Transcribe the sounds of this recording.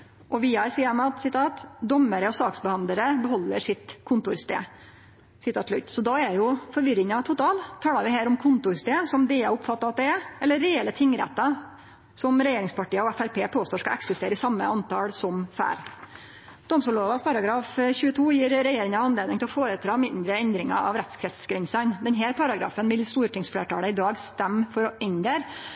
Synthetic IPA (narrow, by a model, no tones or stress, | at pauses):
ʔɔʋɪːɑɾsiːəɾmɛɑt̪sɪt̪ʰɑːt̪d̪ɔmːəɾəɔsɑːksbəhɑnd̪ləɾəbəɦɔlːəʂɪt̪kʰʊnt̪ʊɾst̪ḛː | sɪt̪ʰɑːt̪ːʰlʉ̰t̪ːsɔd̪ɑɛjʊfɔɾʋɪɾɪŋɑɛt̪ʰːʊt̪ʰɑːlt̪ʰɑːlɑɾʋɪhæːɾɔmkʰʊnt̪ʊɾst̪eːsɔmd̪ɛɑʊpfɑt̪ːɑɑt̪̚d̪ɛɛɛlːəɾɛɛlːət̪ʰɪŋːɾɛ̰t̪ːɑ | sɔmɾɛjeːɾɪŋspɑʈiːəɔæfæɾpʰeːpʰoːst̪oːʂkɑʔɛ̰ksɪst̪eːɾəɪsɑmːə̰ʔɑnt̪ʰɑlsɔmfæ̰ːɾ | d̪ɔmsuːloːʋɑspʰɑɾɑɡɾɑːfçʉːət̪ʰuːjiːɾɾɛjeːɾɪŋɑɑnleːd̪nɪŋt̪ʰɪlɔfoːɾət̪ʰɾɑːmɪnd̪ɾəɛnd̪ɾɪŋɑ̰ɑ̰ʋɾɛt̪skʰɾɛt̪sɡɾɛnsɑɪnd̪ɛnɦæːɾpʰɑɾɑɡɾɑ̰ːfənʋɪlst̪uːɾət̪ʰɪŋsflḛːʈɑːləɪd̪ɑːɡst̪ɛmːfɔɾɔʔɛnd̪əɾ